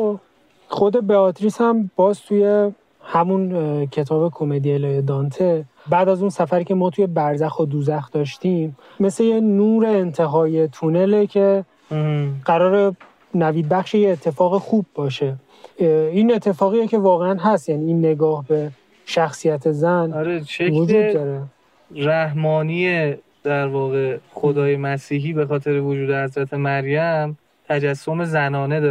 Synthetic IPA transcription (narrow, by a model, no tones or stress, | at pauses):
o | xo̞d̪e̞beɒt̪ʰɾisæmbɒːzt̪ʰuje̞ | hæmuncʰe̞t̪ʰɒːbe̞kʰomed̪ieljed̪ɒnt̪ʰe | bæːd̪æzunsæfæɾiːcʰe̞mɒːt̪ʰuje̞bæɾzæxod̪uːzæxd̪ɒːʃt̪iːmː | e̞sejenuːɾeːnt̪ʰe̞ɦɒːjet̪ʰunelecʰe̞ | ɢæɾɒːɾe | næviːd̪̚bæxʃejeːt̪ʰːe̞fɒːɣexuːbːɒːʃe̞ | inet̪ʰːe̞fɒːɣijece̞vɒːɣeænɦæst̪jæːniːiːnːe̞ɡɒːhbe̞ | ʃæxsijæt̪ʰezænɒɾeʃevkod͡ʒuːd̪d̪ɒɾe | ræhmɒːnije | d̪̥æɾvɒːɣexod̪ɒːjemæsiːɦiːbe̞xɒːt̪ʰe̞ɾevod͡ʒuːd̪ehæzɾæt̪ʰe̞mæɾjæm | t̪ʰæd͡ʒæsːome̞zænɒːned̪ɒ